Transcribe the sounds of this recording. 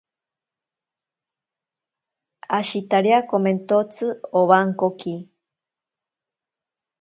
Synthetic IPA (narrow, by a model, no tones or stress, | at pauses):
aʃit̪aɾeakoment̪ot͡sɨoβaŋkoki